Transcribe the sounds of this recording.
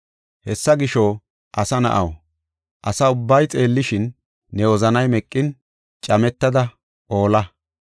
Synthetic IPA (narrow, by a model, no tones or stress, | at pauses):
hɛsːɐɡɪʃɔ | ʔɐsɐnɐ̰ʔɐ̰w | ʔɐsɐʊbːɐjt͡sʼe̞ːlːɪʃɪnː | ɛɔzɐnɐjmɛkʼːɪn | t͡ʃʼɐmɛt̪ːɐd̪ɐ | ʔo̞ːlɐ